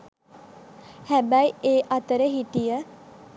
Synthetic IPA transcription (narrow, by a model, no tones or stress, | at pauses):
hɛbaieːʔɐt̪əɾəɦiʈijə